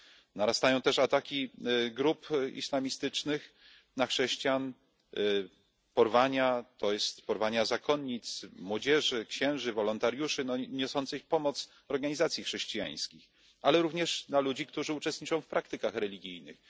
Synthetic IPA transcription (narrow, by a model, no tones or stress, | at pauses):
naɾast̪ajɔ̃w̃t̪ɛʂat̪akʲiɡɾupḭslamʲist̪ɘt͡ʂnɘx | naxʂɛɕt͡ɕjan | pɔɾvaɲat̪ɔjɛst̪pɔɾvaɲazakɔnːit̪smwɔd͡ʑɛʐɘkɕɛ̃w̃ʐɘvɔlɔnt̪aɾjuʂɘnɔɲɔsɔnt̪sɘxpɔmɔt̪s | ɔɾɡaɲizat̪sʲjixʂɛɕt͡ɕija̰j̃skʲix | alɛɾuvɲɛʂnalud͡ʑikt̪uʐɘut͡ʂɛst̪ɲit͡ʂɔ̃w̃fpɾʔak̚t̪ɘkaxɾɛlʲiɡʲijnɘ̰x